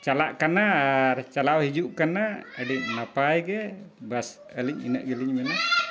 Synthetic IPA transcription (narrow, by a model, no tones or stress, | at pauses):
t͡ʃalaʔkanaɾt͡ʃalawhid͡ʒuʔkanaəɖiɲnapajɡɛbas | əliɲḭnəʔɡəliɲmɛna